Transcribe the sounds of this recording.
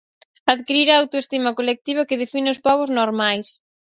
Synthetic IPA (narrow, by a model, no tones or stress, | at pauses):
aðkiɾiɾaːwt̪oest̪imɐkolek̚t̪iβ̞ɐkɪð̞efinɪʊspɔβʊznoɾmajs